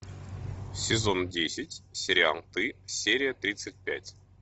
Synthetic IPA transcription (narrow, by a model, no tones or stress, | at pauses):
sʲɪzo̞ndʲesʲɪtʲsʲɪɾʲɪa̰lˠt̪ɨsʲeɾʲɪjət̪ɾʲit̪sɨt̚ʲpʲætʲ